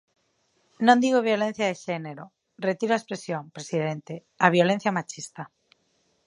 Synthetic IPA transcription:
nõnd̪iɣoβ̞jo̞len̟θjaðeʃene̞ɾo | ret̪iɾoaespɾe̞sjõmpɾe̞siðẽ̞nt̪e | aβ̞jo̞le̞n̟θjamat͡ʃist̪a

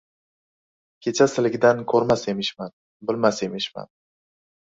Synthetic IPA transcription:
kʲʰe̞t͡ʃʰasɪlɪɡʲɪd̪ankʰɵɾmase̞mɪʃman | bɪlmase̞mɪʃma̰n

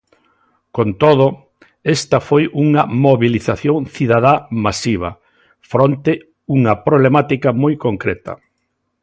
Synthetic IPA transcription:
kont̪oð̞o | est̪ɐfojuŋɐmoβiliθaθjoŋθiðaðamasiβ̞ɐ̰ | fɾont̪ɪ | uŋɐpɾoβlemat̪ikɐmojkoŋkɾɛt̪ɐ̰

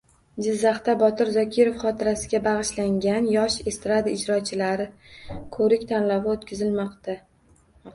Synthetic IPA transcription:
d͡ʒɪzːaχt̪abɒt̪ʰɪɾzɒkʲʰɪɾofχɒt̪ʰɪɾasɪɡʲabɑʁɨʃlaŋɡʲanjɒʃest̪ɾad̪aɪd͡ʒɾɒt͡ʃʰɪlaɾɪkʰɵɾɪkʲt̪ʰanlawɪot̪kʲʰɪzɪlmɒqt̪a

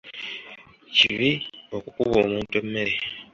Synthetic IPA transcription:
ciβio̞kukuβo̞ːmuːntuemːeɾe

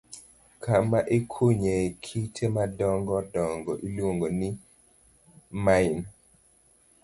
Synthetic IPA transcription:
kʰamaʔekʰoɲekʰitʰemadɔŋɡɔdɔŋɡɔʔilwoŋɡoni | main

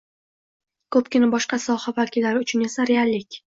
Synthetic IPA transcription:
kʰɵpkʲɪnabɒʃqɑsɒhavakʲɪlːaɾɪʊt͡ʃʰʊnesaɾealːɪkʲ

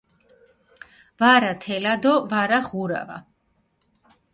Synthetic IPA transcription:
vaɾat̪ʰɛlad̪ɔvaɾaχuɾa̰va̰

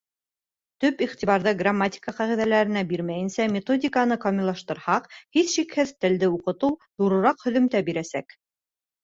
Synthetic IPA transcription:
t̪ɵpiχt̪ʲiβɑɾðɤɡramːatʲi̥kəqɑʁiðælæɾɘ̆næbiɾmæjɘ̆nsæmʲet̪o̞dʲɪkanɤqɑmʲɪlˠɑʃt̪ɤ̆ɾhɑqhiθʃikhɘðt̪ɘ̆ld̪ɘuqɤ̆t̪ɤwðuɾɤ̆ɾɑqhɵ̆ðɵ̆mt̪æbiɾæsæ̰k

